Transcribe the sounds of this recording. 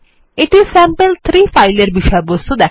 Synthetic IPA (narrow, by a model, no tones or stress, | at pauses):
iʈizsæ̃mpəlt̪ʰɾiːfajleɾbiʃɔjebost̪ud̪ɛ